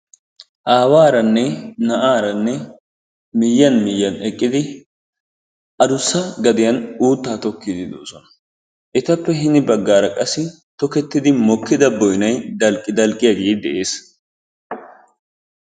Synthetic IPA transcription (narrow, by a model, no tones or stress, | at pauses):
ʔaːwaːɾɐnːɛnɐʔaːɾɐnːɛ | mɪjːɐnmɪjːɐnɛkʼːɪd̪ɪ | ʔɐd̪ʊsːɐɡɐd̪ɪjɐnuːt̪ːaːt̪ɔkːɪd̪ɪd̪o̰ːsɔnɐ̥ | ʔɛt̪ɐpːɛɦɪnɪbɐɡːaːɾɐkʼɐsːɪ | t̪ɔkɛt̪ːɪd̪ɪmɔkːɪd̪ɐbɔjnɐjd̪ɐlkʼːɪd̪ɐlkʼːɪjaɡeːd̪ɛʔe̞ːs